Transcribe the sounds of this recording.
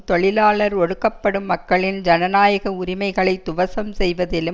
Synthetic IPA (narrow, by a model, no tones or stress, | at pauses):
t̪ɔɭɪlaːɭɐɾɔɻɯkːɐpːɐɽɯmːɐkːɐɭɪnd͡ʒɐnɐnaːjɐɣɐʊɾɪmɐɪɣɐɭɐɪt̪ːʊʋɐsɐmsɛjʋɐðɪlɯ